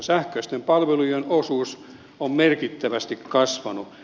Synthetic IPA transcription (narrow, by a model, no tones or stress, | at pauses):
sæhkøist̪empɑlʋelujenosuːs | ommerkit̪ːæʋæst̪ikkɑsʋɑnu